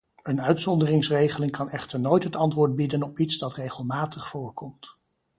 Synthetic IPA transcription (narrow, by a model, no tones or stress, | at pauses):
ənœɥtsɔndərɪŋsrejχəlɪŋkɑnɛχtəɹnoːjtɦətɑntʋʊːɹd̚bidənɔpitsdɑtrejχəlˠmaːtəχfʊːɹkɔmt